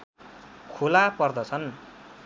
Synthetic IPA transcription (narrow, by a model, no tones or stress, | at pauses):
kʰolapʌrd̪ʌt͡sʰʌn